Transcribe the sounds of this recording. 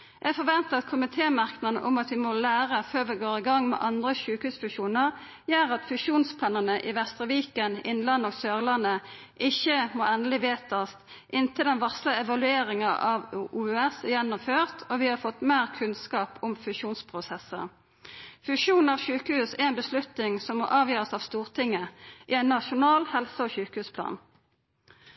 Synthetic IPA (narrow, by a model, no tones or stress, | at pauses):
jɛfɔʋɛnt̪əɑt̪kʰʊmɪt̪ʰeːmɑʁknəənə̰ʔʊmɑt̪ʋɪmolæːʁəføːʁʋɪɡoːɾɪɡɑŋːmɛ̰ʔɑnd̪ʁəɕʉːkhʉːsfʉɕuːnəʁ | jæːɾɑt̪fʉʃuːnspʰlɑːnənəʔɪʋɛst̪ʁəʋiːkənɪnlɑnːɔɡsøːʁlɑnːəʔɪçəmoːɛnd̪əlɪʋeːt̪ɑst̪ | ʔɪnt̪ʰəld̪ɛnʋɑsləɛʋɑlʉeːɾɪŋɑʔɑʋuːʉɛsɪjɛnːʊmføːʁt̪ʰɔːʋɪːhɑːfɔt̪ːmeːʁkʰʉnskɑːpʊmfʉʃuːnspʰʁʊsɛsːə̰ | fʉʃuːnn̩ɑʋçʉːkəhʉːsɛɛɪnbəslʉt̪nɪŋsɔmːoʔɑːʋjøːʁəsɑːʋst̪uːʁt̪ʰɪŋːəʔɪɛɪnːɑʃʊnɑːlhɛlsəɔçʉːkəhʉːspʰlɑ̰ːn